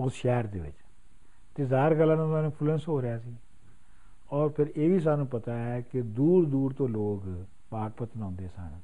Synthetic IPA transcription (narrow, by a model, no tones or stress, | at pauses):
oːsʃɛːɾd̪ḛːʋɪ̰t͡ʃ | t̪eːzaːɾɡəlːãːnãaːnũːpʰʊlənsɦoːɾɪjaːsiː | ɔːɾpʰɪɾeːʋiːs̬aːnũːpət̪aːɛːkɪd̪uːɾd̪uːɾt̪õːloːk | paːk̚pət̪ənãːnd̪eːɛːsa̰ːñẽː